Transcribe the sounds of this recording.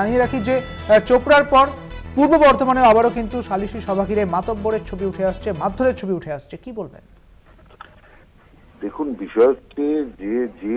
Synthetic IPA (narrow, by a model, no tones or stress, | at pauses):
anieɾakʰid͡ʑe | t͡ɕopɾaɾpɔɾ | puɾbobɔɾt̪omaneoabaɾokint̪uʃaliʃiʃɔbʱakiɾemat̪obːoɾeɾt͡ɕʰobiuʈʰeaʃt͡ɕʰemad̪ʱːoɾeɾt͡ɕʰobiuʈʰeaʃt͡ɕʰekibolbḛn | d̪ekʰunbiʃɔeoted͡ʑed͡ʑe